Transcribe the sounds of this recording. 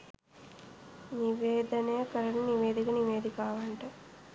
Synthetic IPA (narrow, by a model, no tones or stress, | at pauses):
niʋeːd̪ɐneːkɐɾɐɳniʋeːd̪ikɐniʋeːd̪ikaːʋɐɳʈɐ